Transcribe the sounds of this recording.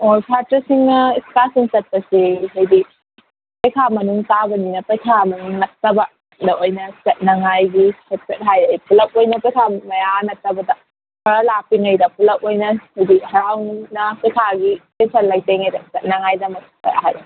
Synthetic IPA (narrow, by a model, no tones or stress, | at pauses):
okʰatɾɐsiŋnɐiskasiŋt͡ʃɐt̚pɐsiɦɐjbi | pɐjkʰamɐnuŋtabɐninɐpɐjkʰamɐnuŋnɐk̚tɐbɐ | dɐʔojnɐt͡ʃɐt̚nɐŋajɡiset̚pet̚ɦajɐjpulɐk̚ojnɐpɐjkʰamɐjanɐk̚tɐbɐdɐ | hɐɾalapiŋɐjdɐpulɐk̚ojnɐhɐjbihɐɾawnnɐpɐjkʰaɡipesʰɐɾlajteŋɐjdɐt͡ʃɐt̚nɐŋajdɐmɐs̚ | ɐ̰ja̰ɦaj